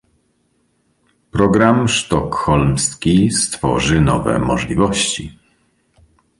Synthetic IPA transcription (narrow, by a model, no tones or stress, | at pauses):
pɾɔɡɾamʂt̪ɔkxɔlmskʲist̪fɔ̰ʐɘnɔvɛ̰mɔʐlʲivɔɕt͡ɕi